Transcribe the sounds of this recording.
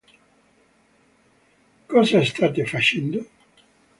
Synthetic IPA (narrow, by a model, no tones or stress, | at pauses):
kɔːzaest̪aːt̪efat͡ʃɛnd̪o